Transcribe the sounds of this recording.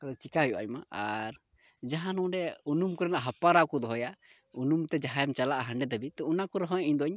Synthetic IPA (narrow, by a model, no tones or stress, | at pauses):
kalt͡ʃikaɦɔjuʔa̰jmaaɾ | d͡ʒaɦãnɔ̃ɖɛunumkɔɾɛnaʔɦapaɾakɔd̪ɔɦɔja | unumt̪ɛd͡ʒaɦajɛmt͡ʃalaʔaɦaɳɖɛd̪ɛbit̪ɛunakɔɾɔɦɔ̃jaiɲd̪ɔɲ